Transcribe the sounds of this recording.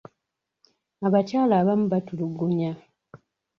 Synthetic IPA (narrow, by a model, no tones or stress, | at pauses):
aβacaːlaːβamuβatuluɡuɲa